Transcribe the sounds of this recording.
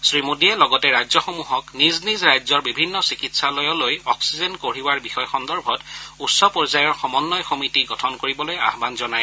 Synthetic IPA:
sɹimudiɛlɔɡɔtɛɹajzɔxomuɦɔkniznizɹajzɔɹbibʱinːɔsikitsalɔjɔlojɔksizɛnkoɹiwaɹbixɔjxɔndɔɹbʱɔtutsɔpɔɹzajɔɹxɔmɔnːɔjxomitiɡɔtʰɔnkoɹibɔloja̰ɦbanzɔnaj

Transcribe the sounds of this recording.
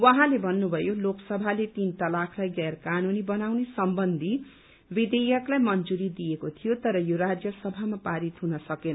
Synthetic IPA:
wʌɦãlebʱʌnːubʱʌjoloksʌbʱalet̪int̪ʌlakʰlajɡarkanunibʌnawnesʌmbʌnd̪ʱi | bid̪ejʌklajmʌnd͡zuɾid̪ijekot̪ʰijot̪ʌɾʌjoɾad͡zjʌsʌbʱamapaɾit̪ɦunʌsʌkenʌ

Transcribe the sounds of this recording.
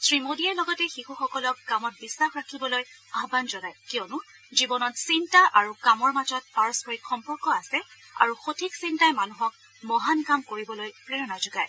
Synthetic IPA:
sɹimodijalɔɡɔtɛxixuxɔkɔlɔk̚ɡamɔt̚bisːaxɹakʰibɔlojaɦbanzɔɡajkijɔnʊ | zibɔnɔtsintaʔaɹukamɔɹmazɔt̚baɹɔskɔɹikxɔmpɔɹkɔasɛ | a̰ɹuxotʰiksintajmanuɦɔk | mɔɦankamkoɹibɔlojpɹɛɹɔnazʊɡaj

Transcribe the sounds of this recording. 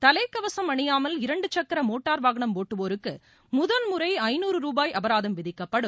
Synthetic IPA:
t̪ɐlɐɪkːɐʋɐsɐmɐɳɪjaːmɐlɪɾɐɳɖɯt͡ʃːɐkːɐɾɐmoːʈːaːɾʋaːɣɐɳɐmpoːʈːɯʋoːɾɯkːɯ | mʊðɐlmʊɾɐɪɐɪnuːɾɯɾuːbaːjʔɐbɐɾaːðɐmʋɪðɪkːɐpːɐɽɯm

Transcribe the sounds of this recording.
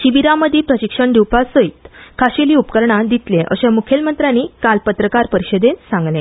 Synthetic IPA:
ɕibiɾaməd̪ʱːipɾəɕikʂəɳɖ̪iwpasəit̪kʰaɕiliːupkəɾɳad̪it̪leʔə̰ɕamukʰelmənt̪ɾanːiːkalpət̪ɾəkaɾpəɾiɕəd̪ensãŋɡlẽ

